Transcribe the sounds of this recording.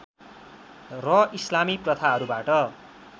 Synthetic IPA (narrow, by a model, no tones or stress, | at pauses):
rʌislamiprʌt̪ʰaɦʌɾubaʈʌ